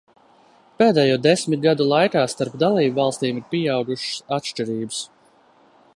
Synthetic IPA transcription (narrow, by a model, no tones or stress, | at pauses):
peːd̪ɛːjuːd̪esmit̪̚ɡad̪ulˠajkaːst̪aɾpd̪alˠiːbvɑlˠst̪iːmiɾpʲiɛawɡuʃsat̪ʃt͡ʃiɾiːbɨs